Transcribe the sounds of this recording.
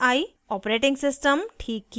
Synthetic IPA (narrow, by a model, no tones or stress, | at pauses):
aj | ɔpɾeʈiŋsisʈəmʈʰikː